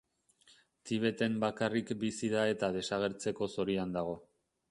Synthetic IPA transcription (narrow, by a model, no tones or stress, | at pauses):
t̪iβ̞e̞t̪e̞mbakarikbisiðae̞t̪að̞e̞saɣ̞e̞ɾt͡se̞ko̞so̞ɾiand̪aɣ̞o̞